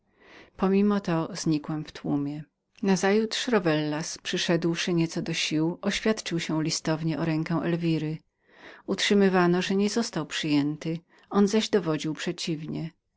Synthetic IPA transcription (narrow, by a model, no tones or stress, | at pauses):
pɔmʲimɔt̪ɔzɲikwɛmft̪wumʲjɛ | nazajut̪ʂɾɔvɛlːaspʂɘʂɛd̪wʂɘɲɛt̪sɔd̪ɔɕiwɔɕfʲjat̪t͡ʂɘwɕɛ̃lʲist̪ɔvɲɛʔɔɾɛŋkɛ̃w̃ʔɛ̰lvʲiɾɘ | utʂɘmɘvanɔʐɛɲɛzɔst̪awpʂɘjɛnt̪ɘ | ɔnzaʑd̪ɔvɔd͡ʑiwpʂɛt͡ɕivɲɛ